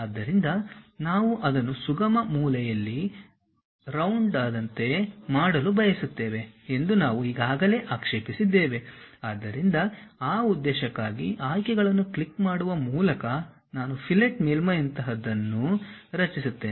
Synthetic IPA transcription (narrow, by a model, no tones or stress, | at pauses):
aːd̪ːɐɾind̪ɐnaːʋuʔɐd̪ɐnːusuɡɐmɐmuːlɛjɐlːi | ɾɐwɳɖaːd̪ɐnt̪e̞maːɽɐlubʱɐjɐsut̪ːe̞ːʋe̞end̪unaːʋuiɡaːɡɐle̞ːʔaːkʂeːpisid̪ːe̞ːʋe̞aːd̪ːɐɾind̪ɐaːud̪ːɛːʃɐkːaːɡiʔaːjkɛɡɐɭɐnːuklikmaːɽuʋɐmuːlɐkɐ | naːnupʰileʈmelmɐent̪ɐɦɐd̪ɐnːuɾɐt͡ʃisut̪ːeː